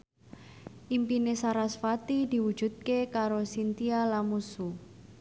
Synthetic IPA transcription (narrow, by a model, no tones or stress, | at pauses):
ʔimpinesaɾasfat̪id̪i̤wu̥d͡ʒ̥ṳt̪̚kekaɾosint̪ialamusu